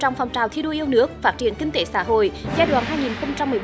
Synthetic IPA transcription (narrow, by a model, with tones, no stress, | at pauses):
t͡ɕɔ̰˧˩wŋ͡mfa˨˩wŋ͡mt͡ɕaː˨˩wt̪ʰi˧ɗo˧ʔi˧əwnɨ˦˥ək̚faː˦˥t̚t͡ɕḭ˧˨ənkï˧ŋ̟t̪e˧˨˦sa̰ː˧˥ɦo̰˧˨jzaː˧jɗwa̰ː˧˩nɦaː˧jŋi˨˩nxə˧wŋ͡mt͡ɕa˧mːɨ˨˩əj